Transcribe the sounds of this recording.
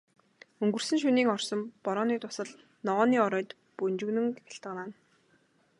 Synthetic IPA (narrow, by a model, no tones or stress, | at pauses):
ɵŋɡɵ̆r̥sɘ̆ŋʃ̬uniːŋɔrsɞ̆mpɔɾɔːniːt̪ʰʊ̥sə̆ɮ | nɔʁɔːniːɔɾœːt̪ | pɵnt͡ɕɵ̆ɣnɵ̆ŋkaɬt̪ə̆qnaːn